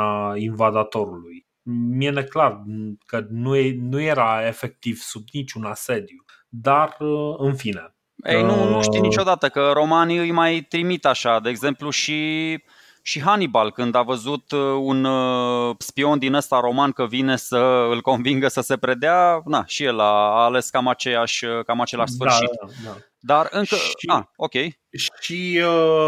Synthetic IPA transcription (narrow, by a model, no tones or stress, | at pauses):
ainvad̪at̪o̞ɾuluj | miene̞klarkənunujeɾae̞fe̞k̚t̪iv̥subnit͡ʃʲunase̞d̪ju | d̪arɨnfine | ḛjnunuʃt̪ijnit͡ʃo̞d̪at̪əkəɾo̞maniɨjmajt̪ɾimit̪aʃad̪e̞ːɡze̞mpluʃi | ʃiɦanibalkɨnd̪avəzut̪un | spio̞nd̪inəst̪aɾo̞mankəvine̞səɨlko̞nviŋɡəsəse̞pɾe̞d̪eanaʃije̞laːle̞skamat͡ʃe̞jaʃʲkamat͡ʃe̞laʃsfɨrʃia | d̪arɨŋkəao̞kʲe̞j | ʃiə